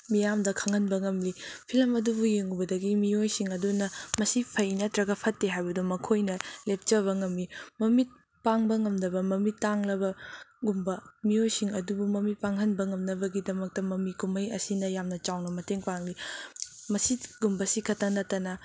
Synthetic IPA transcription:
mijamdɐkʰɐŋɐnbɐŋɐmlipʰilɐmɐdubujeŋubɐdɐɡimiojsiŋɐdunɐmɐsipʰɐjnɐtɾɐɡɐpʰɐtːeɦajbɐdumɐkʰojnɐlep̚t͡ʃɐβɐŋɐmlimɐmit̚ | paŋbɐŋɐmnɐbɐmɐmitːaŋlɐbɐɡumbɐmiojsiŋɐdubumɐmit̚paŋɦɐnbɐŋɐmnɐbɐɡidɐmɐk̚tɐmɐmikumɐjɐ̰sinɐjamnɐt͡ʃawnɐmɐteŋpaŋli | mɐsiɡumbɐsikʰɐtʰːɐnɐtːɐnɐ

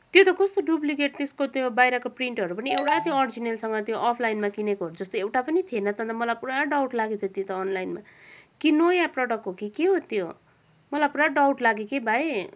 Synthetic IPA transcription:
t̪jot̪ʌkʌst̪oɖuplikeʈ̚t̪eskot̪jobajɾakopriɳʈɦʌɾupʌniewʈat̪joʌrd͡zinelsʌŋɡʌt̪joʔʌpʰlajnmakinekoɦʌɾud͡zʌst̪oewʈapʌnit̪ʰienʌt̪ʌnt̪mʌlapuɾaɖawʈlaɡet̪ʰjot̪jot̪ʌːnlajnma | kinojaprʌɽʌkɦokikeɦot̪jo | mʌlapuɾaɖawʈlaɡekebʱae

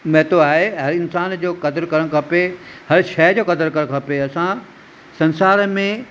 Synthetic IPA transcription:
mɐɦt̪oaːɦeɦɐɾɪnsaːnd͡ʑoːkɐd̪əɾkɐɾəɽ̃kʰɐpehɐɾʃɐd͡ʑoːkɐd̪əɾkɐɾə̃kʰɐpeɐsã | sɐ̃nsaːɾmẽ

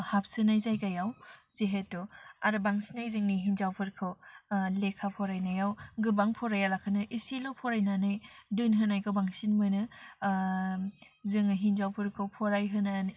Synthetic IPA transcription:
hap̚sɯnajzajkajawzeɦetɔaɾɯbaŋsinajzɯŋniɦinzawpʰɯɾkʰɯwlekʰapʰɔɾajnajawɡɯbaŋpʰɔɾajalakʰɯnɯʔisilɔwpʰɔɾajnanɯjdɯnɦɯnajkʰɯwbaŋsinmɯjnɯ | zɯŋɯɦinzawpʰɯɾkʰɯwpʰɔɾajɦɯnani

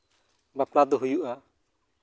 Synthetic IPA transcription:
baplad̪ɔɦujuʔa

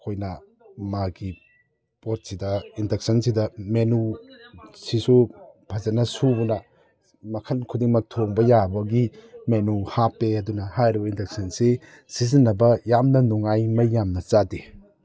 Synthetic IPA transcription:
kʰojnɐ | maɡi | pot̚sidɐindek̚sɐnsidɐmenu | sisubʰɐzɐnɐsubunɐ | mɐkʰɐnkʰudiŋmɐk̚tʰoŋbɐjabɐɡimenuhapːeɐdunɐhajɾibɐindek̚sɐnsi | sizinːɐbɐjamnɐnuŋajmɐjːamnɐt͡ʃadi

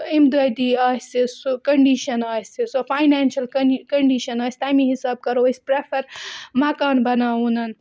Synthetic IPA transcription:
imd̪uɐjd̪iaːsesokɐɳɖiʃɐnaːsesofʰaːjnaːnʃɐlkɐkɐɳɖiʃɐnaːsʲt̪ajmĩɦisaːb̚kɐɾoɐspɾepʰɐɾmakaːnbɐnaːunɐn

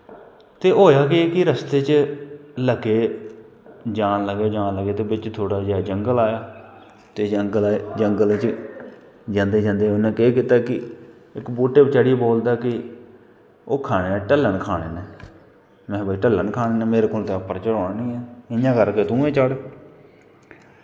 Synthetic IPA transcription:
t̪eːɦoːjaːkeeːkɪɾəst̪eːt͡ʃ | ləɡeː | d͡ʒaːnləɡeːd͡ʒaːnləɡeːt̪eːbɪt͡ʃt̪ʰoːɽaːd͡ʒeaːd͡ʒəŋɡəlaːjaː | t̪eːd͡ʒəŋɡəlːd͡ʒəŋɡəlt͡ʃ | d͡ʒãːnd̪eːd͡ʒãːnd̪eːʊnãːkeːkɪt̪aːkɪ | ɪkbuːʈeːbt͡ʃəɽiboːld̪aːkɪ | oːkʰaːɽ̃eːɛ̃ːʈəlːəɳkʰaːɽeːneː | mɛ̃ːbaːiːʈəlːənkʰaːneːnẽːmeːɾeːkoːlt̪eːpːəɾt͡ʃəɽõːnnĩːɛːɪɲãːkəɾkeːt̪ũːẽːt͡ʃəɽ

